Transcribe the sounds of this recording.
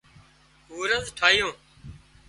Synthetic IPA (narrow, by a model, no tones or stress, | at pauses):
uːɾəzʈʰaːɪjõː